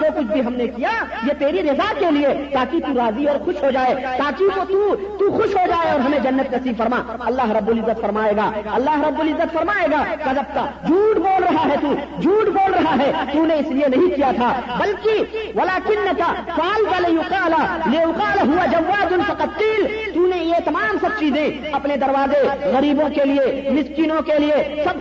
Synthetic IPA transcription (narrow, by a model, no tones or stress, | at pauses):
sokʊt͡ʃʰbʱiɦɐmnekijajet̪eːɾiɾɪzakeliet̪aːkit̪uɾaːziɔːɾxʊʃɦod͡ʒaːet̪aːkiot̪ut̪uxʊʃɦod͡ʒaːeɔːɾɦɐmẽd͡ʒɐnːɐt̪nɐsiːbfɐɾmaːɐlːaːɦɾɐbːʊlɪzːət̪fɐɾmaːeːɡaːɐlːaːɦɾɐbːʊlɪzːət̪fɐɾmaːeːɡaːkad͡ʒɐb̚k̪ad͡ʒʱuːʈboːlɾɐɦaɦɛt̪uːd͡ʒʱuːʈboːlɾɐɦaɦɛt̪unẽɪslienɐɦĩkijat̪ʰabɐlkiwɐlaːkɪnːɐkasaːlt̪alɪjʊqaːlalejʊqaːlɦʊad͡ʒɐwːaːd̪ʊnfɐqɐt̪qiːlt̪unejet̪ɐmaːmsɐb̚t͡ʃiːzẽ | ɐpned̪ɐɾwaːzeɣɐɾiːbõkeliemɪskiːnõkeliesɐb̚